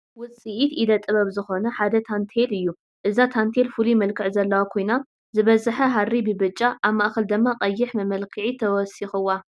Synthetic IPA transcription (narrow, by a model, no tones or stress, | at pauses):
wʊt͡sʼiʔit̪id̪ɐt̪ʼɨβɐβzɨxo̞nɐħad̪ɐt̪ʰant̪ʰelɨjːu | ʔɨzat̪ʰant̪ʰelfulimɐlkʰɨʕzɐlːɐwakʰo̞jna | zɨβɐzaħɐɦaɾibɨbɨt͡ʃʼːaʔaβmaʔxɐld̪ɨmːaqʼɐjːɪħmɐmɐlkʰɨʕit̪ʰɐwɔsixɨwːa